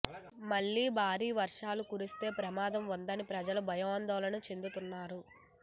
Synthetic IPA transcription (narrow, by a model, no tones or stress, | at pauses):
mɐɭːiːbʱaːɾiːʋɐɾʂaːlukuɾist̪e̞ːpɾɐmaːd̪ɐmʋɐnd̪ɐnipɾɐd͡ʒɐlɐbʱɐjoːnd̪ɐːlɐnut͡ʃe̞nd̪ut̪unːaːɾu